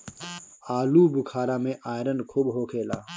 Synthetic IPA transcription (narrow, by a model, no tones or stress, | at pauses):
aːluːbʊkʰaːɾaːmẽʔaːjɾənkʰuːbɦoːkʰeːlaː